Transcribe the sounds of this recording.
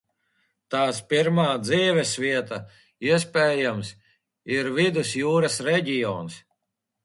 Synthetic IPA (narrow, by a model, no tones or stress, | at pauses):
t̪aːspiɾmaːd̪ziːvɛsvʲiɛt̪a | iɛspʲeːjams | iɾvid̪usjuːɾɐsɾɛɟʲijɔ̰ːns